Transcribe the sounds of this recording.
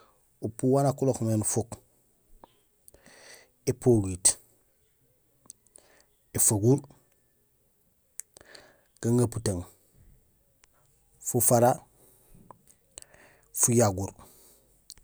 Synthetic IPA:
upuwanakuloxmenufok | epʰoɡit | efaɡuɾ | ɡ̥aŋaputaŋ | fufaɾa | fujaɡuɾ

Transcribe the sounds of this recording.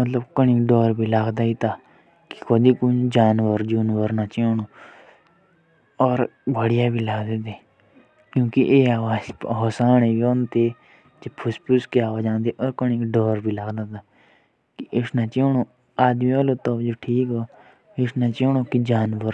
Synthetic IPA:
mət̪ləbkəɳiːkɖoːɾbʱiːlaɡd̪aːit̪aː | ki̥kʰod̪iːkʊd͡ʒaːnʋəɾd͡ʒuːnʋəɾnaːt͡ʃeːɳoː | ɔːɾbəɽɪjaːbʱiːlaːɡd̪eːt̪eː | kjũːkiʔeːaːʋaːd͡ʒɦoːsaːɳeːbioːnt̪eː | d͡ʒ̪epʰʊspʰʊskeaːoːd͡ʒãːnd̪eːʔɔːɾkəɳiːkɖoːɾbʱiːlaːɡd̪aːt̪aː | kiʔɪsnaːt͡ʃeːɳoː | aːd̪mĩːoːloːt̪oːd͡ʒoːʈʰiːkɦoː | ɪʃnaːt͡ʃeːɳoːkid͡ʒaːnʋəɾ

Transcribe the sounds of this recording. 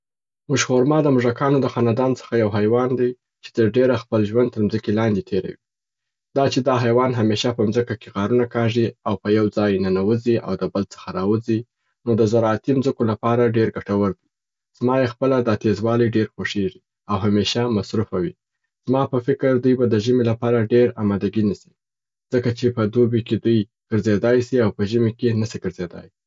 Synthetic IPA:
mʊʒxoɾmɑd̪əmʊʒakɑnod̪əxɑnad̪ɑnt͡sə̥xajawɦajwɑnd̪aj | t͡ʃe̥t̪əɾɖeɾaxpəlʒwand̪t̪əɾmzəkelɑnd̪et̪ʰeɾa̰wi | d̪̥ɑt͡ʃed̪ɑɦajwɑnɦameʃapəmzəkakeɣɑɾunakɑʐiawpəjawd͡zɑjnanawəziʔa̰wd̪əbəlt͡sə̥xaɾɑwəzi | nod̪əzaɾɑːt̪imzəkolapɑɾaɖeɾɡaʈawəɾd̪i | z̥mɑjexpəlad̪ɑt̪ezwɑliɖeɾxoʂeʒi | awɦameʃamasɾufawi | z̥mɑpəfɪkəɾd̪ujbad̪əʒəmelapɑɾaɖeɾa̰mɑd̪aɡinasi̥ | z̥əkat͡ʃepəd̪obeked̪uj | ɡ̥əɾzed̪ɑjsiawpəʒəmekenasiɡəɾzed̪ɑ̰j

